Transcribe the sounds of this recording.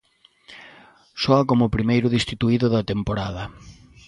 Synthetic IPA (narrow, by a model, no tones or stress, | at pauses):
sɔɐkomʊpɾimejɾʊðist̪it̪uiðʊðɐt̪empoɾað̞ɐ